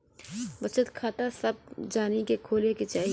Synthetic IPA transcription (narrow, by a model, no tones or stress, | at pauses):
bɐt͡ʃət̪kʰaːt̪asɐb̚d͡ʒaːnikekʰoːleket͡ʃaːɦi